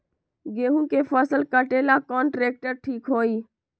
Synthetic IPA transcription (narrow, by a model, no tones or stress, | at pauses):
ɡeːɦũkepʰəsəlkəʈeːlakɔːnʈɾeːk̚ʈəɾʈʰiːkɦoːiː